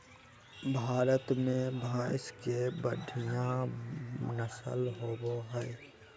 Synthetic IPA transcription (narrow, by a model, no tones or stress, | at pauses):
bʱaːɾət̪mẽbʱaɪskebəɖʱijã | nəsə̰lɦoːboɦəɪ